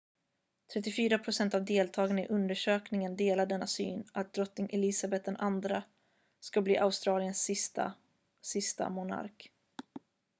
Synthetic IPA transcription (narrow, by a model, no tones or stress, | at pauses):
t̪ʰɾɛt̪ːɪfyːɾapʰɾʊsɛnt̪avd̪eːlt̪ʰɑːɡanɪʔɵnd̪əʂøːknɪŋənd̪eːlaɖɛnːasy̰ːnat̪̚d̪ɾɔt̪nɪŋʔɛlɪsabɛt̪̚d̪ɛnʔand̪ɾa | skablḭːʔaʊst̪ɾɑːlɪənsɪst̪a̰ | sɪst̪a̰mʊna̰ɾk